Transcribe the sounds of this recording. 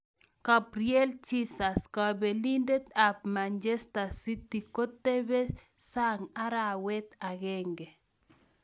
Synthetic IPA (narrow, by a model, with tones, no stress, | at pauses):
ka˨pɾje˦lt͡ʃi˦sa˨ska˨be˨li˦nde˦t̪a˨p̚mand͡ʒe˦st̪a˨si˦t̪i˨ko˦t̪e˦be˦ | sa˦ŋa˦ɾa˨wɛ˦t̪a˨ɣɛ˦ŋɡe˨